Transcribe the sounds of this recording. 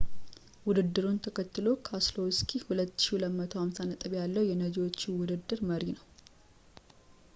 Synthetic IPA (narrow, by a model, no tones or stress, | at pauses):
wʊd̪ɨd̪ːɨɾunt̪ʰəkʰət̪ːɨlo̞kʰaslowskʰihulət̪ːɨ̥ʃiləmːət̪ʰohamsanət̪ʼɨβjalːəwjɛnəd͡ʒiwot͡ʃːiwʊd̪ɨd̪ːɨɾməɾinəw